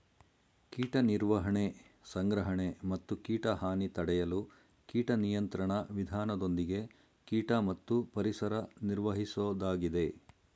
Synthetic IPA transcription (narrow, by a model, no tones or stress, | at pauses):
kiːʈɐniɾʋɐɦɐɳesɐŋɡɾɐɦɐɳemɐt̪ːukiːʈɐɦaːnit̪ɐɽɛjɐlu | kiːʈɐnijɐnt̪ɾɐɳɐʋid̪ʱaːnɐd̪o̞nd̪iɡe̞ | kiːʈɐmɐt̪ːupɐɾisɐɾɐniɾʋɐɦisod̪aːɡid̪e̞